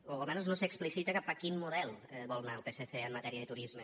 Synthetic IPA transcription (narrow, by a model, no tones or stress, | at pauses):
oəlˠmɛnuznosəksplisit̪əkapakimmuðɛlˠɛβɔlˠnaəpeseθeəmːət̪ɛɾiəðət̪uɾizmə